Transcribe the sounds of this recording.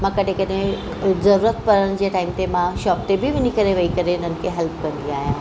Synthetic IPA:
mãkɐʈẽkɐɗẽ | zɐɾuːɾət̪pɐɾəɽ̃̆d͡ʑeːʈaːɪmt̪emãʃɔːp̚t̪ebɪʋɪnikɐɾeʋɐikɐɾeʊnən̆kʰeɦɛlpkɐ̃nd̪iaːɦjãː

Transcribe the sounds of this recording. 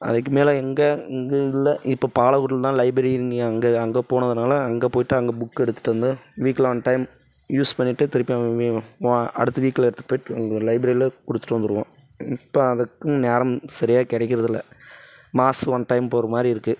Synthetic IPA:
ɐ̰ðɯk̬ːɯmeːlɐ̃ɛŋɡeŋɡɐɪlːɐʔɪpːoːpaːlɐɣuːʈːɪlt̪ãːlɐɪbɾɐɾiɪɾɯŋɡɪŋɐɐŋɡɐɐŋɡepoːnɐðɯnaːlɐɐŋɡepoːjɪʈːɯɐŋɡebʊkːɛɽɯt̪ːɯ̥ʈːʋɐnd̪ɯʋiːkːlʋɐnʈɐɪm | juːspɐɳːɪʈːɯt̪ɪɾɯpːia | ɐ̰ɽɯt̪ːɯʋiːkːlɛɽɯt̪ːɯ̥ʈɯpːoːjɪʈːɯɐŋɡɐlɐɪbɾɐɾɪlɐkʊɽɯt̪ːɯ̥ʈːʋɐnd̪ɯɾɯʋõː | ɪpːoːɐðɐkːɯ̃naːɾɐmsɐɾɪjaːkɪɽɐk̬ʲːɪɾɐðɪlːɐ | maːsʋɐnʈɐɪmpoːɾɐmaːd̪ɾiɪɾɯkːɯ

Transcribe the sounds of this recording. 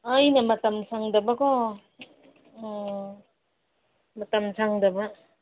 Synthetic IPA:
ajnɐmɐtɐmsʰaŋdɐbɐkɔ | mɐtɐmsʰaŋdɐbɐ

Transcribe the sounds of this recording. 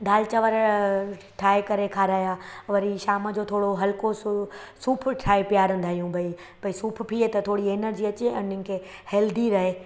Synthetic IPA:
ɖaːlt͡ɕɐʋəɾ | ʈʰaːekɐɾekʰaːɾaːjaʋɐɾiʃaːməd͡ʑot̪ʰoːɽoɦɐlkossuːpʰʈʰaːipijaːɾə̃nd̪ʱaːɦijũbʱɐi | bɐisuːpʰpʰiet̪ɐt̪ʰoːɽieːnəɾd͡ʑiɐt͡ɕeɐnɪnɪ̆kʰehɛːld̪iɾɐɦeː

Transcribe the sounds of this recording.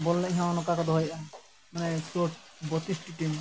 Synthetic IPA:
bɔlːaiɦãnɔkakɔd̪ʱɦɔjʔa | manesoʈ̚ | bɔt̪isʈiʈim

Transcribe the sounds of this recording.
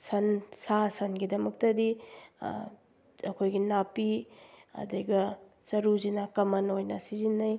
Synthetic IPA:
sɐnsasɐnɡidɐmɐk̚tɐdi | ɐkʰojɡinapiɐ̰dɐɡɐ | t͡ʃɐɾuzinakɐmɐnojnɐsizinːɐj

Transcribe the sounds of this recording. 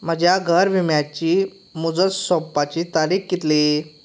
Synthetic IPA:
m̤əd͡ʑjaɡʱəɾʋimjat͡ɕiː | mud͡zətsɔpːat͡ɕiːt̪aɾiːkɡit̪li

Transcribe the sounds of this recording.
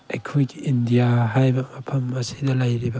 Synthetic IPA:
ejkʰojɡiːndijaɦajbɐmɐpʰɐmɐsidɐlɐjɾibɐ

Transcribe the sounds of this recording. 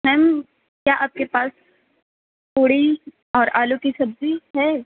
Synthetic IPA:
ɦɛːm | kjaːʔaːp̚kepaːs | puːɽi | ɔːɾaːlukisɐbziɦɛː

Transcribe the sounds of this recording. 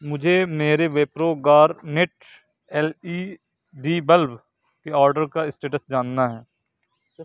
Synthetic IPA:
mʊd͡ʒʱemeːɾeʋeːpɾoːɡaːɾnɪʈ | ɛːliː | ɖiːbəlb | keɔːɾɖəɾkaɪsʈeːʈəsd͡ʒaːnːaɦɛː

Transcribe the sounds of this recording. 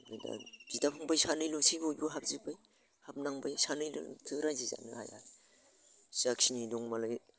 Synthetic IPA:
dɯ̰da̰d̥idapʰɯŋbajsanɯjlusibɯjuɦap̚zibaj | hap̚naŋbajsanɯjlɯ̰tʰɯɾaziza̰nɯ̰ha̰ja̰ | sak̚sinidɔŋmalɯj

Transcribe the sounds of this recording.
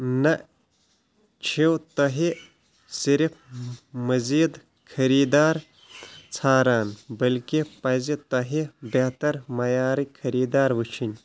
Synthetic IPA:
nɐ | t͡ʃʰiwt̪ɐɦi | siɾifmɐziːd̪ | kʰɐɾiːd̪aːɾ | t͡sʰaːɾaːnbɐlkipɐzit̪ɐɦibet̪ɐɾmɐjaːɾikʰɐɾiːd̪aːɾʋɨt͡ʃʰinʲ

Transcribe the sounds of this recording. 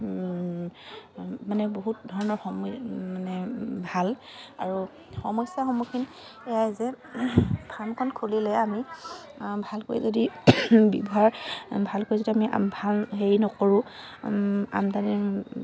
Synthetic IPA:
manɛboɦut̚dʱɔɹɔnɔɹxɔmmanɛbʱal | aɹu | xɔmɔjsaxɔmukʰin | ɛjajzɛ | pʰamkʰɔnkʰolilɛami | bʱalko̰jzodibibɔɦaɹbʱalkojzodiamḭbʱalɦeɹinɔkoɹũ | a̰mtanɛ

